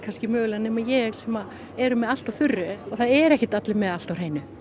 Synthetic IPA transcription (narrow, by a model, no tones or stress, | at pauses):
kʰanscɪmœːɣlanɛːmajɛɣsɛmað | ɛɾʏmɛðal̥t̪awfʏrːʏɔθaðɛɾɛhcɪt̪at̪lɪmɛðal̥t̪awr̥ejnʏ